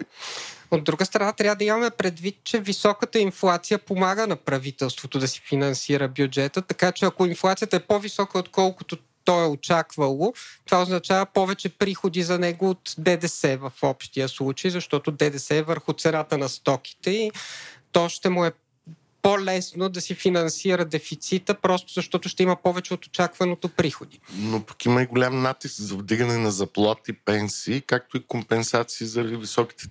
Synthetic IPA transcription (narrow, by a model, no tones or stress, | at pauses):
od̪ːɾuɡəst̪ɾɐnat̪ɾʲavəd̪ɐimɐmɛpɾɛd̪vit̪̚t͡ʃɛvisɔkət̪əinflˠat̪sijəpomaɡənɐpɾɐvit̪ɛlˠst̪vot̪od̪ɐsi̥finɐnsiɾəbjud͡ʒɛt̪ət̪ɐkat͡ʃɛɐkoinflˠat̪sijət̪ɐɛpɔvisɔkəot̪kɔlˠkʊt̪o | t̪ɔɛot͡ʃakvɐlˠot̪ovaoznɐt͡ʃavɐpɔvɛt͡ʃɛpɾixod̪izɐnɛɡoːt̪d̪ɛd̪ɛsɛvɐfɔpʃt̪ijəslˠut͡ʃəjzɐʃt̪ɔt̪ʊd̪ɛd̪ɛsɛvəɾxʊt̪sɛnat̪ənɐst̪ɔki̥t̪ɛit̪ɔʃt̪ɛmʊɛ | polɛsnod̪ɐsifinɐnsiɾəd̪ɛfit̪sit̪əpɾɔst̪ʊzɐʃt̪ɔt̪ʊʃt̪ɛiməpɔvɛt͡ʃɛot̪o̥t͡ʃakvɐnot̪opɾixod̪inopɐ̥kimɐiɡolʲamnat̪iskzɐvd̪iɡɐnɛnɐzɐplˠat̪ipɛnsiːkak̚t̪oikompɛnsat̪siːzɐɾivisɔki̥t̪ɛ̥